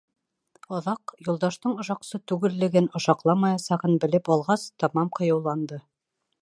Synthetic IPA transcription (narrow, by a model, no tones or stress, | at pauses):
ɑðɑqjulˠd̪ɑʃt̪ɤɴŏʃɑqsɤt̪ʉɡɘ̆lːɘ̆ɡɘnŏʃɑqlˠɑmɑjɑsɑʁɤnbɘ̆lɘpɑlˠʁɑst̪ɒmɑmqŏjɑwlˠɑnd̪ɤ